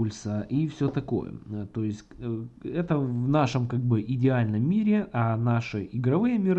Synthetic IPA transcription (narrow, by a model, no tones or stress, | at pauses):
ʊlʲsəʔifsʲɵt̪ɐko̞̰jə̰t̪o̞jɪsʲtʲɛt̪əvnaʂɨmkaɡ̚bɨʔɪdʲɪalʲnəmːʲiɾʲɪʔɐnaʂɨʔɪɡɾɐvɨjəmʲɪɾ